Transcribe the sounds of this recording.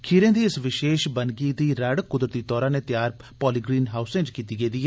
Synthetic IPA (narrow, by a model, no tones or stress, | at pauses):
kʰiːɾẽːd̪iːɪsʋɪʃeːʃbənɡiːd̪iːɾəɽkʊd̪ɾət̪iːt̪ɔːɾãːneːt̪jaːɾ | pɔːliːɡɾiːnɦaːʊsẽːd͡ʒkiːt̪iːɡeːd̪iːɦɛː